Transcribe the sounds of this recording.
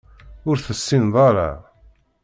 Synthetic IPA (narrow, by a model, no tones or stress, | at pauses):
ʊɾθəsːinðˤɑɾˤɑ̰